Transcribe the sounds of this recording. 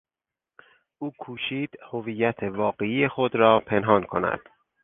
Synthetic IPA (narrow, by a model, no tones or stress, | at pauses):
ʔuːkʰuːʃiːd̪̥hoviːjːæt̪ʰevɒːɢe̞iːjexod̪ɾɒːpʰe̞nɦɒːnkʰo̞̰næ̰d̪̥